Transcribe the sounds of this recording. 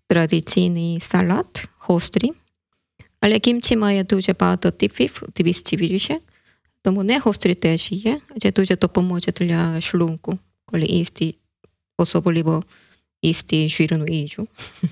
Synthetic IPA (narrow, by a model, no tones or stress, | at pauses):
t̪ɾad̪it̪t͡s̪inisalat̪xɔst̪ɾi | alɛkimt͡ʃimajɛt̪ud͡ʒɛpat̪ɔt̪ifift̪iʋist͡ʃiʋiliʃɛ | t̪omunɛxɔst̪ɾit̪ɛʒijɛd͡ʒɛt̪ud͡ʒɛt̪ɔpɔmɔt͡ʃɛt̪lʲaʃluŋku | kolḭʔist̪i | ɔsɔbɔlʲibɔ | ist̪iʒiɾnuid͡ʒu